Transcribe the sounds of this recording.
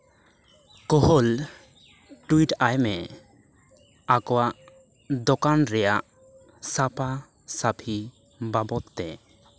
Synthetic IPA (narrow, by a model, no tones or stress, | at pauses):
kɔɦɔl | ʈuiʈajmɛ | akɔwaʔ | d̪ɔkanɾɛjaʔ | sapa | sapʰi | babɔt̪ːɛ